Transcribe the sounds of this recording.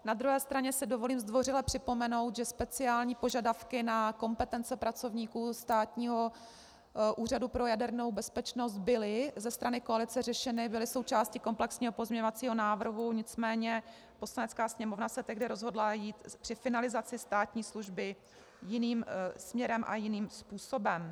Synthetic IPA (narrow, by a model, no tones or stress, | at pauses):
nad̪ɾuɦɛːst̪ɾaɲɛsɪdovo̞liːmzd̪vo̞rɪlɛpr̥ɪpo̞mɛno̞wt̪ʒɛspɛt͡sɪaːlɲiːpo̞ʒadafkɪnako̞mpɛt̪ɛnt͡sɛpɾat͡so̞vɲiːkuːst̪aːt̪ɲiːɦo̞ | ʔuːradupɾo̞jadɛɾno̞wbɛspɛt͡ʃno̞st̪̚bɪlɪzɛst̪ɾanɪko̞alɪt͡sɛrɛʃɛnɪbɪlɪso̞wt͡ʃaːscɪko̞mplɛksɲiːɦo̞pozmɲɛɲovat͡siːɦo̞naːvr̩ɦuɲɪt͡smɛːɲɛ | po̞slanɛt͡skaːsɲɛmo̞vnasɛt̪ɛɣdɪɾo̞zɦo̞dlajiːt̪pr̥ɪfɪnalɪzat͡sɪst̪aːt̪ɲiːsluʒbɪ | jɪniːmsmɲɛɾɛmʔa̰jɪniːmspuːso̞bɛm